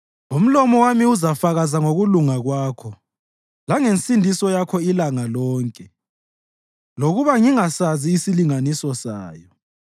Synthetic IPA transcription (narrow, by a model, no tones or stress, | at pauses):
um̩lɔmɔwamiuzafaɣazaŋoɣuluŋaɣwaːkʰɔ | laŋensʼindʱisɔjakʰɔilaŋalɔːŋkʼɛ | loɣuβaŋiŋasaziːsiliŋanisɔsaːjɔ